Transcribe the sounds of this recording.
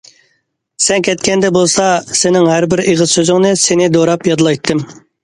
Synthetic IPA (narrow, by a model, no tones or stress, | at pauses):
sɛnkʲʰɛt̪kʲɛnd̪ɛbolˠsɑsenɪŋhæɾbɪɾeʁɨzsøzɪŋnɨsenɪd̪oɾɑpjɑd̪lˠɑjt̪ʰːɨm